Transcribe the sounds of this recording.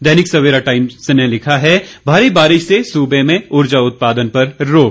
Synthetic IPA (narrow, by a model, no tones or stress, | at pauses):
d̪ɛːnɪksɐʋeːɾaʈaːɪmsenelɪkʰaɦɛbʱaːɾibaːɾɪʃsesuːbemẽʊɾd͡ʒaʊt̪̚paːd̪ənpɐɾːoːk